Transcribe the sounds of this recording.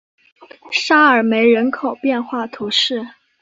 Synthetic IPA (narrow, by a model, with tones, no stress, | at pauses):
ʂa˥ə˞˨˩me˧˥ɪɻə˧˥nkʰo˨˩ʊpjɛ˥˧nxwa˥˩t̪ʰu˧˥ʂɻ̩˥˩